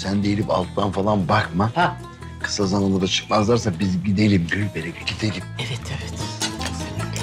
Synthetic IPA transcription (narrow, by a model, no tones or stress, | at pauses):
sænd̪ejilʲipa̰lˠt̪̚t̪ːanfalˠanbakma | kʰɯ̥sazananad̪at͡ʃʰɯ̥kmazlˠaɾsabizɟid̪e̞lʲimɟylʲbeɾeɟɟid̪e̞lʲimɛvɛt̪ʰevɛt̪